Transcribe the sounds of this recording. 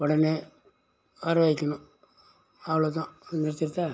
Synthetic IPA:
ɔɽɐneː | ɐɾʋɐɪkʲːɐnũ | ɐʋɐɭoːt̪ːãnɛɾt̪ːɪɾt̪ːaː

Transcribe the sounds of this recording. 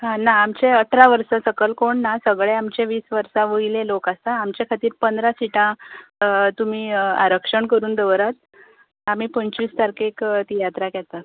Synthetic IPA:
ɦãnaːmt͡ɕeəʈʰɾaʋəɾsasəkəlkoɳːasəɡɭeamt͡ɕeʋiːsʋəɾsãʋəilelokast̪aamt͡ɕekʰat̪iːɾpənd̪ɾasiʈã | t̪um̤iːa̰ɾəkʂəɳkəɾuːnd̪əʋɾat̪̚ | am̤iːpəɲt͡ɕʋiːst̪aɾkekt̪ijat̪ɾakɛt̪at̪

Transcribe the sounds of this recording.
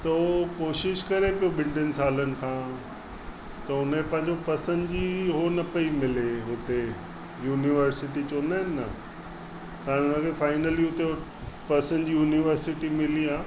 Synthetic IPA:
t̪ɐokoːʃɪʃkɐɾepijobɪ̃ɳɖənɪ̆saːlənɪ̆kʰãː | t̪ɐʊnẽpɐ̃ɦɪ̃ɲ̆d͡ʑopɐsə̃nd̪d͡ʑiːɦonɐpɐimɪleɦʊt̪e | juːniʋəɾsɪʈit͡ɕõːə̃nd̪aːɪnɪːɐ̰ | t̪ãːɽ̃ʊnəkʰefaːɪnəliʊt̪e | pɐsə̃nd̪d͡ʑiːjuːniʋəɾsɪʈimɪliaː

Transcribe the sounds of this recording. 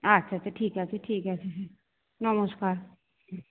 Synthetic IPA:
ɐtːʃʰat͡ʃʰeʈʰiːkɦɛt͡ʃʰeʈʰiːkɦɛt͡ʃʰesʰe | nəməskaːɾ

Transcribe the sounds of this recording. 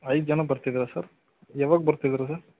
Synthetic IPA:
ɐjd̪̚d͡ʒɐnɐbɐɾt̪id̪iɾɐsɐɾ | jɛʋaɡ̚bɐɾt̪id̪iɾɐs̬ɐɾ

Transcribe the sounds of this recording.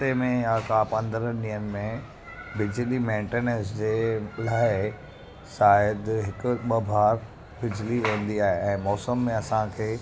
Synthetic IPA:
t̪emẽjakaːpɐ̃nd̪əɾənɗĩɦənɪ̆mẽ | bɪd͡ʑlimẽːɳʈeːnəɾsd͡ʑeːʊl̤aːɪ | saːɪəd̪ɦɪkʊ̆ɓɐbʱaːɾ | bɪd͡ʑliʋẽːn̆d̪iaːɦeʔɛ̃ːmɔːsəmːẽɐsãkʰeː

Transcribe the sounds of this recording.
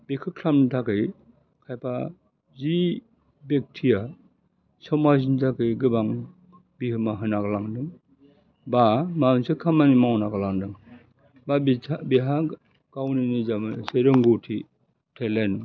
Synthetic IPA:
bekʰɯkʰlamnitʰakɯj | kʰajpʰa | zi | bek̚tʰija | sɔmazintʰakɯjɡɯbaŋ | bihɯmaɦɯnaɡalaŋdɯŋ | bamamsɯkʰamanimawnaɡalaŋdɯŋ | babʰabiɦa | ɡawninizamɯseɾɯŋɡɔtʰi | tʰelen

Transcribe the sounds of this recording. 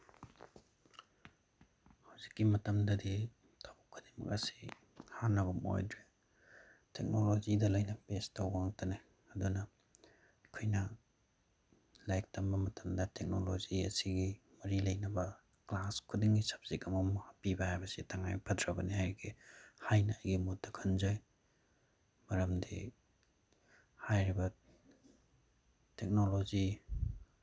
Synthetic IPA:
hawzikːimɐtɐmdɐdi | tʰabukʰːudemɐ̰k̚ɐ̰si̥ | hanːɐβɐmo̰jdɾe | tʰek̚nolozidɐlɐjnɐpestɐwbaaŋtɐne | ɐdunɐ | kʰojnɐ | lajk̚tɐmbɐmɐtɐmdɐtek̚noloziɐ̰siɡi | mɐɾilɐjnɐbɐ | klaskʰudiŋɡisɐ̥p̚z̥ikɐmɐmuhɐpibɐhajbɐsitʰaŋajpʰɐdɾɐbɐnihajɾɡihajnɐːjɡimut̚dɐkʰɐnzoj | mɐɾɐmdḭ | hajɾibɐ | tek̚nolozi

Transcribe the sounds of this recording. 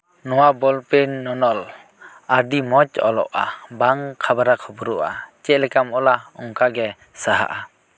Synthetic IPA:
nɔwabɔlpenːɔnɔl | aɾdimɔt͡ʃɔ̰lɔ̰ʔa̰baŋkʰabaɾakʰɔbuɾuʔa̰t͡ʃɛʔlɛkamɔlaɔŋkaɡɛ | saɦa̰ʔa

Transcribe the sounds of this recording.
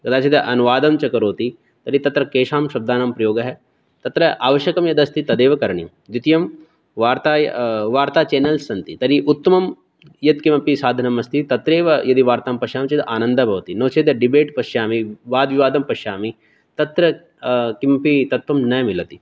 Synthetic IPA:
kɐd̪aːt͡ʃʰid̪ɐʔɐnuʋaːd̪ɐmt͡ʃɐkɐɾoːt̪i | t̪ɐɾit̪ɐt̪ɾɐkeːʃaːmʃɐb̚d̪aːnampɾɐjoːɡɐɦɛ | t̪ɐt̪ɾɐʔaːʋɐʃjɐkɐmjɐd̪ɐst̪it̪ɐd̪eːʋɐkɐɾɳiɐmd̪it̪ijɐm | ʋaːɾt̪aːj̰ʋaːɾt̪aːt͡ʃeːnɐlsɐnt̪it̪ɐɾiʔut̪ːɐmɐm | jɐt̪kimɐpisaːd̪ʱɐnɐmɐst̪it̪ɐt̪ɾeːʋɐjɐd̪iʋaːɾt̪aːmpɐʃaːmt͡ʃɐd̪ʔaːnɐ̃nd̪ɐbʱɐʋɐt̪inoːt͡ʃʰeːd̪ɐɖibeːʈpɐʃjaːmiʋaːd̪ʋiʋaːd̪ɐmpɐʃjaːmi | t̪ɐt̪ɾɐ | kimɐpit̪ɐt̪ʋɐmnɐjmilɐt̪i

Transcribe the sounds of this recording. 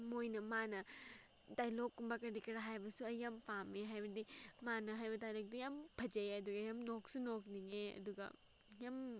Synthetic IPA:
mojnɐmanɐ | dajlokːumbakɐɾikɐɾɦajbɐsuɐjɐmpameɦajbɐdimanɐɦajbɐdajlok̚d̪ijɐmbʰʱɐd͡ʒɐjɐd̪uɡɐjɐmnoksunokniŋeɐ̰d̪uɡɐ̰ | jam

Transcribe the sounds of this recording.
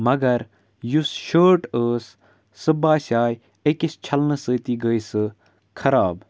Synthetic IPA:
mɐɡɐɾ | jusʃəːʈəːsː | ɨbaːsʲaːj | ekist͡ʃʰɐlnɨsəːt̪iɡəjsɨ | kʰɐɾaːb

